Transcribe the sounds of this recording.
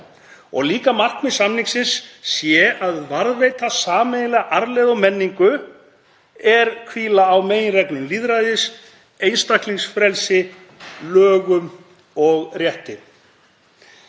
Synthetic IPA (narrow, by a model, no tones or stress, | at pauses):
ɔ̰ɣliːkamar̥k̪mɪsamniŋksɪnsːjɛaðvaɾðveːjt̪asaːmejɪlɛɣaʔaɾlɛðɔmɛnːiŋkʏ | ɛɾkʰviːlaːwmeːjnrɛknɪnliðɾajðɪs | ejnst̪ahkliŋsfɾɛlsɪ | lœːɣʏm | ɔɣrjɛht̪ɪ